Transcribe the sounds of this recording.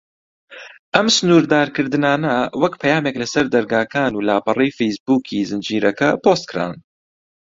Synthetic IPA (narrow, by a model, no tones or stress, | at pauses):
ʔɐmsɨnuːɾd̪aːɾkɨɾd̪ɨnaːnɐwɐkpʰɐjaːmeːklɐsɐɾd̪ɐɾɡaːkʰaːnuːlaːpɐrijfejsbuːkʰiːzɨnd͡ʒiːɾɐkɐpʰoːst̪̚kʰɨɾa̰ːn